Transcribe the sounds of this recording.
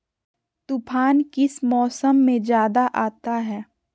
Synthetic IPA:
t̪ʊpʰaːnkɪsmɔːsəmːẽd͡ʒjaːd̪aʔaːt̪aɦɛː

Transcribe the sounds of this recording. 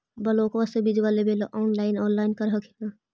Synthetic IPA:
bɐloːkʋəsebid͡ʒʋaːlebeloʔɔːnlaːɪnɔːnlaːɪnkəɾɦəkʰeaː

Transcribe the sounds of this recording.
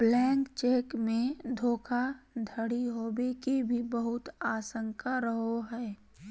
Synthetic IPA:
blɛ̃ːŋkt͡ʃeːkmẽd̪ʱoːkʰad̪ʱəɽiɦoːbekibʱibəɦʊt̪aːsə̃ŋkʰaɾəɦoɦɛː

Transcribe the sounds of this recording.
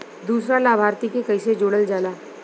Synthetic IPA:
d̪uːsɾalaːbʱaːɾt̪ikekɐised͡ʒoːɽəld͡ʒaːlaː

